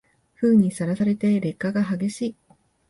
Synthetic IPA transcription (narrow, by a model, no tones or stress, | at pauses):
ɸɯ̟ːɲ̟isaɾasaɾe̞t̪e̞ɾe̞kːaɡaɦaɡe̞ɕiː